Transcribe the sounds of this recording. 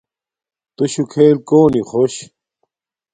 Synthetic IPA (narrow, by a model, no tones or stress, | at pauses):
t̪uɕukʰeːlkoːnixoɕ